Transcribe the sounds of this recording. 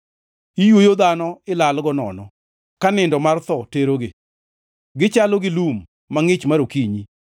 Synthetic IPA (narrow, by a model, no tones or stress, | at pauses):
ijwojod̪anɔɪlalɡɔnɔ̰nɔ | kanɪndɔmart̪ɔteɾoɡe | ɡɪt͡ʃaloɡɪlumː | aŋɪt͡ʃmaɾokiɲi